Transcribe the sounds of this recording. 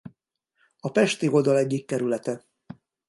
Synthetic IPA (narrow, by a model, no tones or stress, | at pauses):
ɒpɛʃt̪iɡo̞ld̪ɒlɛɟːikːɛɾylɛt̪ɛ